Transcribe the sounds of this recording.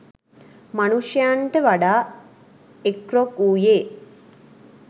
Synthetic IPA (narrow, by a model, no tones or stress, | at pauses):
manuʂjaɳʈəʋaɖaː | ekrokuːjeː